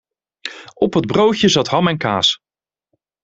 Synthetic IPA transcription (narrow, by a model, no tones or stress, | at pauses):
ɔpɦəd̚browtjəzɑtɦɑmɛnka̰ːs